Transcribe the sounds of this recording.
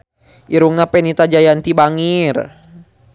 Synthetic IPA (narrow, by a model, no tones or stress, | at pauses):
ʔiɾuŋnapɛnit̪ad͡ʒajant̪ibaŋir